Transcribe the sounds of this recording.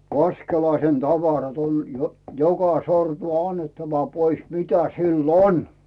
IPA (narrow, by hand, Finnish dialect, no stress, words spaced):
ʋɑskelɑisen tɑʋɑrɑt on j jokɑ sortu ɑnːetːɑʋɑ pois mitæ silː on